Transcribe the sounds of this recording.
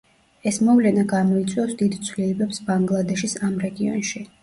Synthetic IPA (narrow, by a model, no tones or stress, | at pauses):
ɛsmɔvlɛnaɡamɔit̪sʼwiɔsd̪id̪t̪sʰwlilɛbɛpsbaŋɡlˠad̪ɛʃisamɾɛɡiɔ̰nʃi